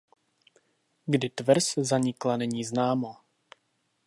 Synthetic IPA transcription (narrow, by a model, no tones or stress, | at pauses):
ɡdɪt̪vɾszaɲɪklanɛɲiːznaːmo